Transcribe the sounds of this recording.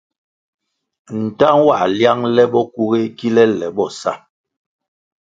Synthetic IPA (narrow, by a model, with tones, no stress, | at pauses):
n̩˨ta˦ŋwa˨ʔlja˦ŋlɛ˦ɓɔ˦ku˦ɣe˦ki˦lɛ˦lɛ˨ɓɔ˦˨sa̰˦˨